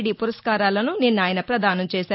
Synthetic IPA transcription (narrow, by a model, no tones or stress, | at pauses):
ɽipuɾɐskaːɾaːlɐnuninːaːjɐnɐpɾɐd̪aːnɐmt͡ʃɛːʃaː